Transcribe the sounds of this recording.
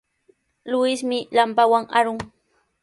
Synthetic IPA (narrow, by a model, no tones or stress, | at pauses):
lʊwɪsmɪlampawaŋaɾʊŋ